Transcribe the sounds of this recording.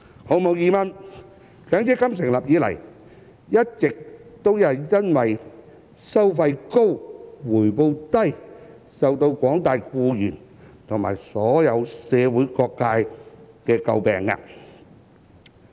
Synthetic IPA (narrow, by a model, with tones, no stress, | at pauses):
ho˨˧wmo˨˧wjiː˨mɐ˧n | kœː˨˥ŋt͡sɛː˥kɐ˥msɪ˨˩ŋlɐ˨p̚jiː˨˧lɐ̰˨˩j | jɐ˥t̚t͡sɪ˨k̚t̪o˥wjɐ˨˧wjɐ˥nwɐ˨j | sɐ˥wfɐ˧jko˥wwuː˨˩jpo˧wt̪ɐ˥j | sɐ˨wt̪o˧wkʷɔː˨˥ŋt̪aː˨jkuː˧jyː˨˩nt̪ʰʊ˨˩ŋma̰ː˨˩jsɔː˨˥jɐ˨˧wsɛː˨˧wuː˨˥jkɔː˧kːaː˧jkɛː˧kɐ̰˧wpɛ̰ː˨ŋa̰˧